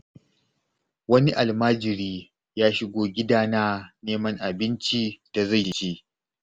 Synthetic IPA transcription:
wɐ˦ni˦ʔa˨lmaː˦d͡ʒɪ˨ɾiː˦ | jaː˦ʃɪ˦ɡʷoː˦ɡʲɪ˦daː˦na˦neː˦mɐ˦ŋʔa˨bɪ˦nt͡ʃi˦d̥a˨za˦˨jʃi˦

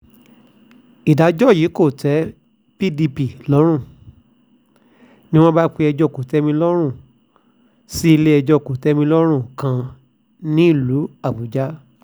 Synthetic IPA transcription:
i˨da˨˦d͡ʒɔ˦˨jiː˨˦ko˦˨tɛ˨˦ | pi˦di˧pi˨lɔ˨˦ɾ̃ũ˦˨ | nĩ˦w̃ɔ̃˦ba˦k͡pe˧ɛ˧d͡ʒɔ˧˦˨ko˨tɛ˨˦mĩ˧lɔ˦ɾ̃ũ˦˨ | si˦i˧le˦ɛ˧d͡ʒɔ˧˦˨ko˨tɛ˨˦mĩ˧lɔ˦ɾ̃ũ˦˨kã˧ | nĩ˦i˦˨lu˨˦a˦˨bu˨d͡ʒa˦

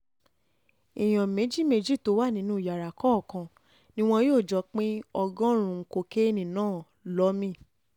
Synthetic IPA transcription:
i˨j̃ɔ̃˨mẽ˨˦d͡ʒi˦me˧d͡ʒi˦˨to˨˦wa˦˨nĩ˨˦nũ˦˨ja˨ɾa˨kɔ˦˨kã˧ | nĩ˦w̃ɔ̃˧joː˦˨d͡ʒɔ˧˦k͡pĩ˦ɔ˧ɡɔ̃˦ɾ̃ũ˧ko˧ke˦e˦nĩ˨nãː˦˨ | lɔ˨˦mĩ˦˨

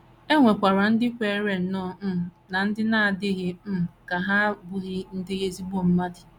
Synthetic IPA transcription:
e˦ŋʷe˨kʷa˨ɾa˨n̩˦dɪ˦kʷe˦ɾe˨n̩˨˦nɔ˦˨˦ | na˨n̩˦dɪ˦na˦a˨dɪ˦ɣɪ˦m̩˦˨ka˨ɦa˦bʊ˦ɣɪ˦n̩˦dɪ˦ɣe˦zi˦bo˦˨m̩˦ma˦dɪ̥˨

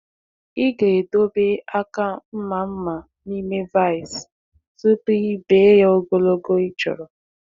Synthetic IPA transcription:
ɪ˦ɡe˨e˨do˦be˦a˦ka˦m̩˦ma˨m̩˦ma˨ | ni˦me˦va˦˨js | sʊ˦ti˦be˦ja˦o˦ɡo˦lo˦ɡo˦i˦t͡ʃɔ̰˨ɾɔ˨

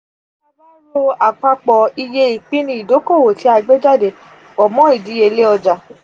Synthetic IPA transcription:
a˦a˦lo˦a˨k͡pa˧k͡pɔ˨i˧je˧i˨k͡pĩ˦nĩ˧˦i˨do˨˦ko˦˨wo˨ti˨˦a˧ɡ͡be˦d͡ʒa˦˨de˨ | ɔ˨mɔ̃˨˦i˨di˨˦e˧le˦ɔ˧d͡ʒa˨

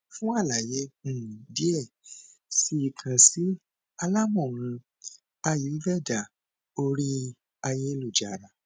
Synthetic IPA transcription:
fũ˦a˦˨la˨je˨˧˦di˦ɛ˦˨ | si˧˦i˧kʰã˧si˦ | a˧la˦mɔ̃˦˨ɾ̃ũ˧ | a˧ju˨˦vɛ˦˨da˨ | o˧ɾi˦ | a˧je˦˧lu˦˨d͡ʒa˨ɾa˨

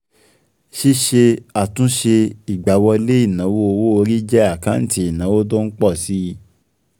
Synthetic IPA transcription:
ʃi˦ʃe˧a˨tũ˨˦ʃe˧i˨ɡ͡ba˨wɔ˧le˦i˦˨nã˨˦wo˦o˧wo˦o˧ɾi˦d͡ʒɛ˦a˦˨kã˨˦n̩˦ti˧˦i˨nã˨˦wo˦t̬o˦n̩˦k͡pɔ˦˨si˦˧˦

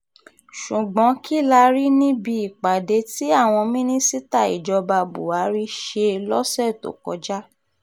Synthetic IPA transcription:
ʃu˨ɡ͡bɔ̃˨˦kʰi˦˨la˧ɾi˦nĩ˦bi˧i˨k͡pa˨de˨˦ti˦a˦˨w̃ɔ̃˧mĩ˦nĩ˦si˦ta˦˨ḭ˨d͡ʒɔ˧ba˧bṵ˨a˨˦ɾi˦ʃe˧lɔ˦sɛ˦˨to̰˨kɔ̰˨˦d͡ʒa˦

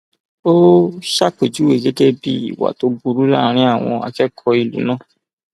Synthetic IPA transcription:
o˦ʃa˦˨k͡pe˨d͡ʒu˨˦we˦˨ɡɛ˦d͡ʒɛ˦bi˦ḭ˦˨wa̰˨to˨˦bu˧ɾu˦la̰˦˨ɾ̃ĩ˦a˦˨w̃ɔ̃˧a̰˧kɛ˦kʰɔ˧i˨lṵ˨˦nãː˦˨

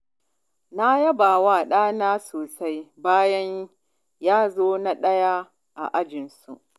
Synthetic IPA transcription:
na˦jɐ˦baː˨waː˦˨ɗaː˦naː˦soː˨sa˦jbaː˦jɐ˦ɲ | jaː˦zoː˦na˦ɗɐ˦ja˦ | ʔa̰˨ʔa˦d͡ʒɪ˨nsṵ˨ʔ

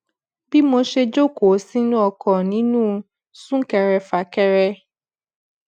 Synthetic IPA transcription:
bi˦mo˧ʃe˧d͡ʒo˦ko˨˦si˦nũ˦ɔ˧kʰɔ̃˨nĩ˨˦nũː˦ | sũ˦kɛ˨ɾɛ˧fa˨kɛ˧ɾɛ˧

